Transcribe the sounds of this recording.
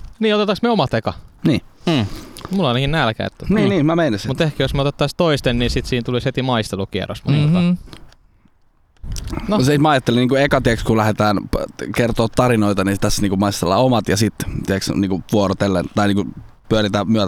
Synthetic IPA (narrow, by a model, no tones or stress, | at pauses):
niːot̪et̪ːɑksmeomɑt̪ekɑniː | mulɑinɑkinnælkæ̰ḭt̪ːniːniːmæmeinesimut̪ehkæjosmeot̪et̪ːɑst̪oist̪enniːsit̪siːnt̪ulishet̪imɑist̪elukiḛro̰smɑ̰n | nosemæɑjɑt̪ːeliniːŋkuekɑt̪iekskulæhet̪æːnkert̪oːt̪tɑɾinoit̪ɑnisit̪æsniːŋkumɑist̪elːɑ̰ːomɑt̪jɑsit̪t̪iɛksniːŋkuʋuorot̪elːḛnt̪ɑiniːku | pyøɾit̪æmyæ